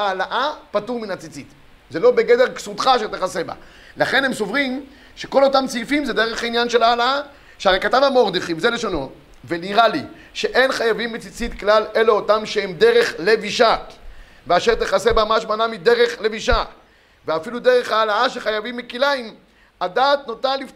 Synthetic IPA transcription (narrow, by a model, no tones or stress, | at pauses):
aːlaʔapatuʁminat͡sit͡sit̪ | ze̞lo̞beɡede̞ʁksut̪χaʃelt̪eχaseba̰ | laχe̞nhemso̞vʁim | ʃeko̞lotamt͡sifimzed̪eʁeχainjanʃelaːlaa | ʃeaʁejkatavamoʁd̪iχimzeleʃono̞ | veniʁali | ʃeʔe̞nχajavimːit͡sit͡sit̪klaleleotamʃeemd̪eʁe̞χleviʃak | veaʃeʁt̪eχasebamaʃmanamid̪eʁeχle̞viʃa | veafilud̪eʁe̞χaːlaaʃeχajavimːikilaim | adaːt̚notalif